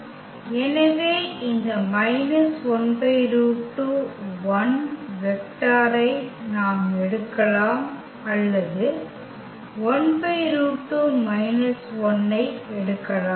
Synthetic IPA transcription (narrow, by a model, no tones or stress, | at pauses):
ɛnɐʋeːɪnd̪ɐmɐɪnɐsɔnbɐɪɾuːʈːɯʋɐnʋɛk̚ʈaːɾɐɪnaːmɛɽɯkːɐlaːm | ɐlːɐðɯ | ɔɳbɐɪɾuːʈːumɐɪnɐsɔnːɐɪɛɽɯkːɐlaː